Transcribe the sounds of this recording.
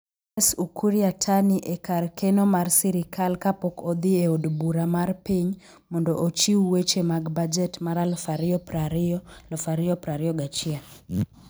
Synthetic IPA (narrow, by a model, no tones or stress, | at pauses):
ɛsukʰuɾiatʰaniʔekarkɛnɔmarsiɾikʰalkapɔkɔd̪ieodbuɾamarpiɲ | mɔndɔʔot͡ʃiuwet͡ʃemaɡbad͡ʒɛtmaɾalfaɾɔpaɾlɔfaɾiɔpɾaɾiɔɡat͡ʃia